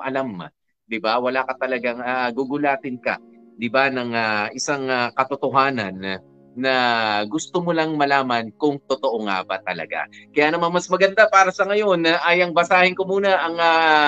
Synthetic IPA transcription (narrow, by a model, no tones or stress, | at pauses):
ʔɐlamːa̰ | d̪ɪbawɐlakɐt̪ɐlɐɡaŋaɡuɡʊlaːt̪ɪnkɐ̰d̪ɪbanɐŋaʔɪsaŋakɐt̪ot̪oɦaːnɐnː | ɐɡʊst̪omolɐŋmɐlaːmɐnkʊŋt̪ot̪oʔoŋa̰bɐ̰t̪ɐlɐ̰ɡa̰kɐjaːnɐmanmɐsmɐɡɐnd̪apaːɾɐsɐŋɐjo̞nʔɐjɐŋbɐsaːhɪnkomuːnɐʔɐŋa